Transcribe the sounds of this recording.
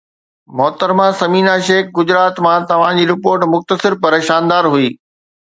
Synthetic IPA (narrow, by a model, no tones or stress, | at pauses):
mɔːt̪əɾmãsɐmiːnaʃeːkɡʊd͡ʑɾaːt̪mãt̪ɐʋ̤ãd͡ʑiːɾɪpoːɾʈmʊxt̪əsɪɾpɐɾʃaːnd̪aːɾɦuiː